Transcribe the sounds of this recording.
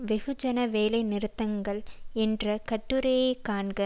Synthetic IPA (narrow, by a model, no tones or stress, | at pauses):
ʋɛɣɯd͡ʒɐnɐʋeːlɐɪnɪɾɯt̪ːɐŋɡɐɭɛndrɐkɐʈːɯɾɐjeːkaːɳɡɐ